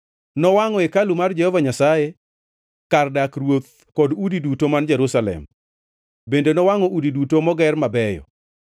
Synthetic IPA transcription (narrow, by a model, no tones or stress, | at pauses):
nɔwaŋɔekalumard͡ʒɛhɔvaɲasaje | kardakrwot̪̚ | kɔdudidutomand͡ʒɛɾusalɛ̰m | bendenɔwaŋɔʔudidutomɔɡɛrmabɛjɔ̰